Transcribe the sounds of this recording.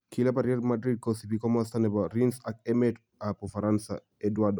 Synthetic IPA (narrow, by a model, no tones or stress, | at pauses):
kʰilabaɾiɛdmadɾid̚kɔsibikɔmɔstanɛbaɾinsakɛmɛt | apɔfaɾansa̰ | ɛdwadɔ